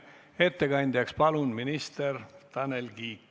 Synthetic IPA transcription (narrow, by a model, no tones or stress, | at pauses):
e̞t̪ːeɡɑnʲd̪̥ʲjɑkspɑlunminist̪ert̪ɑnelɡiːkː